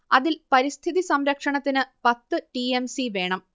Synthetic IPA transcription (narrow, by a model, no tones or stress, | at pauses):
ɐðilpɐɾist̪ʰiðisɐmɾɐkʂɐɳɐt̪ːinɨpɐt̪ːɨʈiemsiʋe̞ːɳɐm